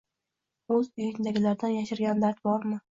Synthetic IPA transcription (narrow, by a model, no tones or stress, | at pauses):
ɵzʊjɪnd̪aɡʲɪlaɾd̪anjaʃɪɾɡʲand̪aɾt̪̚bɒɾmɪ